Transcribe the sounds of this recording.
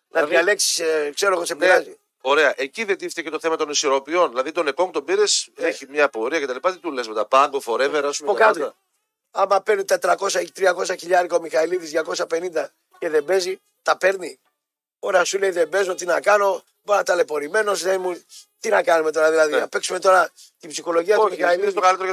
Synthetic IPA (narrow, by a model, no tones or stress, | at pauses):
nʔɐðiɐle̞ksi̥sekse̞ɾoɣosepiɾɐzi | o̞ɾeɐʔe̞ciðed̪ift̪ece̞t̪o̞θe̞mɐt̪o̞nisoɾo̞pio̞nðilɐðit̪o̞nekoŋt̪o̞biɾeseçimɲɐpo̞ɾiɐcet̪ɐlipɐt̪it̪ulesmet̪ɐpɐŋɡofo̞ɾe̞veɾɐsumeɐpokɐt̪i | ɐmɐpe̞ɾnit̪et̪ɾɐko̞sɐt̪ɾiɐko̞sɐçiʎɐɾikɐomixɐliðizðʝɐko̞sɐpe̞nind̪ɐ | ce̞ðe̞be̞zi | t̪ɐpeɾni | o̞ɾɐsule̞iðe̞be̞zo̞t̪inɐkɐno̞ | boɾnɐt̪ɐle̞po̞ɾime̞no̞sðemut̪inɐkɐnume̞t̪o̞ɾɐðilɐðinɐpe̞ksume̞t̪o̞ɾɐ | t̪ibsixo̞lo̞ʝiɐt̪iɐiist̪okɐlit̪eɾ